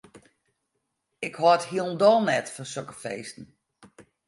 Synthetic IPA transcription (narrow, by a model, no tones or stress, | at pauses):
ɪkhɔthiəlˠndɔlˠnɛtfɔnsøkəfeːstn̩